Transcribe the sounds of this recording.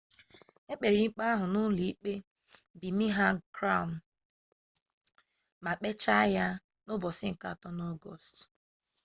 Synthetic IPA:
e˦k͡pe˨ɾi˨ŋ͡m̩˦k͡pa˦ɦʊ˨nʊ˦li˨i˦k͡pe˦ | bi˨mi˦ɦa˦kɾa˦˨m̩˨ | ma˨k͡pe˦t͡ʃa˦ja˦ | nʊ˦bɔ˨sɪ˦ŋ̩˨ka˦˨tɔ˦n˦ɔ˦ɡɔ˦˨st

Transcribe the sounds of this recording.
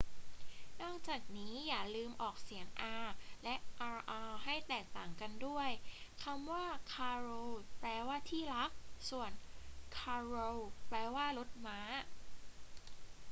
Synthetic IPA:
nɔː˥˩k̚t͡ɕaː˨˩k̚niː˦˥jaː˨˩lɯː˧mʔɔː˨˩k̚si˩˦əŋʔaː˧lɛ˦˥ʔʔaː˧ʔaː˧ha˥˩jt̪ɛː˨˩k̚t̪aː˨˩ŋka˧ndu˥˩əjkʰa˧mwaː˥˩kʰaː˧ɾoː˧wplɛː˧waː˥˩t̪ʰiː˥˩la˦˥k̚su˨˩ənkʰaː˧ɾo˧wplɛː˧waː˥˩lo˦˥t̪̚maː˦˥

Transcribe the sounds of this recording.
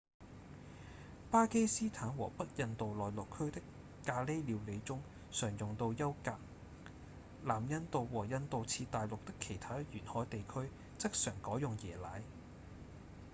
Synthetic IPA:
paː˥ke˥jsiː˥t̪ʰaː˨˥nwɔ̰ː˨˩pɐ˥t̚jɐ˨˧nt̪o˨wlɔː˨jlʊ˨kʰːɵ˥ɥt̪ɪ˥kː | aː˧le˥jliː˨˧wle˨˧jt͡sʊ˥ŋ | sœː˨˩ŋjʊ˨ŋt̪o˧wjɐ˥wkaː˧k̚ | laː˨˩mjɐ˧nt̪o˨wwɔː˨˩jɐ˧nt̪o˨wt͡sʰiː˧t̪aː˨jlʊ˨k̚t̪ɪ˥kʰːe˨˩jt̪ʰaː˥jyː˨˩nhɔː˨˥jt̪e˨jkʰɵ˥ɥ | t͡sɪ˥k̚sœː˨˩ŋkɔː˨˥jʊ˨ŋjɛː˨˩laː˨˥j

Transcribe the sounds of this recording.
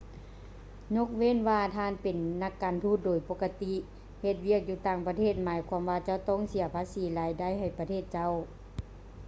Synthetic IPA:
ɲo˧˥˨k̚we˧˥˨nʋaː˧t̪ʰaː˧˥˨npe˨nːa˧˩kːaː˨nt̪ʰuː˧˩˨t̪̚doː˨˩jpo˧˥kːa˧t̪i˧ | he˧t̪̚wi˥˩ək̚juː˧˩t̪aː˧˩ŋpa˧t̪ʰeː˧˩t̪̚maː˨˦jkʰwaː˧˥mʋaː˧t͡ɕa˧˩˨wt̪ɔ˧˥˨ŋsi˨˦ɐpʰaː˧˥siː˨˦laː˨˦jda˧˥˨jɦa˨˩jpa˧t̪ʰeː˧˩t̪̚t͡ɕa˧˥˨w

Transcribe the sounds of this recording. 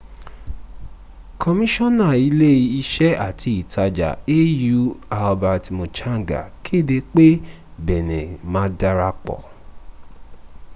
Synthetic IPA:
kʰɔ˧mĩ˦ʃɔ̃˦˨nã˦˨i˨˧˦le˦i˧i˧ʃɛ˦ʔa˦˨tʰi˨˦i˨tʰa˧d͡ʒa̰˨e˦ju˨˦a˧ɔ˧ba˧ɾa˧ti˧mo˧t͡ʃa˦˨ɡa̰˨kʰi˦˨de˧k͡pe˦ | bɛ˨nẽ˨mã˨˧˦da˧ɾa˧k͡pɔ̰˨

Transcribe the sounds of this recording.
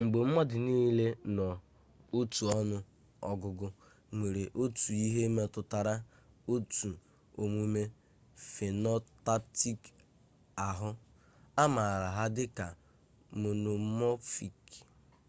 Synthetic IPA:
ŋ͡m̩˨ɡ͡be˨m̩˦mɔ˦dɪ˨niː˦le˦nɔ˨ | o˦tu˨ɔ˦nʊ˦ | ɔ̰˦ɡʊ˦ɡʊ˦ | ŋʷe˨ɾe˨ʔo˦tu˨i˦ɦe˦me˦tʊ˦ta˨ɾa˦ | o˦tu˨ | o˨m˦i˦me˦ | fe˨nɔ˦ta˦pti˦k | a˨ɦʊ˦ | a˦ma˨ɾa˨ɦa˦dɪ˦ka˨ | mo˨no˨mɔ˦fi˨k

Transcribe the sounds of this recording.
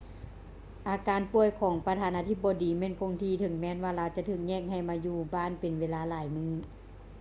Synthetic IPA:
ʔaː˨˧˦kaː˨˧˦npu˧˩əjkʰɔː˨˩˦ŋpa˧t̪ʰaː˧˨nʔaː˧t̪ʰi˧˩p̚ːɔː˨˧diː˨˦mɛː˧˥˨nkʰo˧ŋt̪ʰiː˧˩t̪ʰɤ˨˦ŋmɛː˧˥˨nwaː˧laː˧˥wt͡ɕa˧˨t̪ʰɯː˧˩k̚ɲɛː˧˥˨k̚ha˧˩jmaː˧juː˧˩baː˧˥˨npe˨nweː˧˥˨laː˧˥laː˨˩˦jmɯː˧˨

